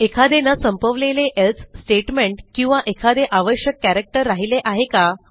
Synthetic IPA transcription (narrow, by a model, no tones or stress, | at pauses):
ekʰad̪enasəmpəʋleleʔelt̪sʈeʈmeɳʈkĩw̃ʋaʔekʰad̪eʔaʋəɕjəkːæɾək̚ʈəɾːaɦileʔaɦeka